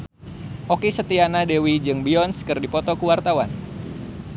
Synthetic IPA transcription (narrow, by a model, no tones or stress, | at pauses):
ʔokisət̪ianadewid͡ʒɨŋbiɔnskɨrdipɔt̪ɔkuwart̪awan